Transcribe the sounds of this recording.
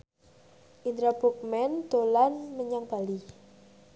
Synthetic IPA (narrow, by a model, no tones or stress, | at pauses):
ʔind̪ɾabuk̚mɛnd̪̥olanməɲaŋb̥a̤li